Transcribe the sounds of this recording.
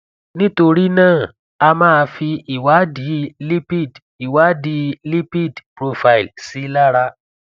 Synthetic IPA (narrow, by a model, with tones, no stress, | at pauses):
nĩ˦to˧ɾi˦nãː˦˨ | a˧mãː˦a˧fi˧i˨wa˨˦di˨˦li˦pi˦˨d | i˨wa˨˦di˧li˦pi˦˨dpɾo˧fa˧i˨lsi˦la˦ɾa˧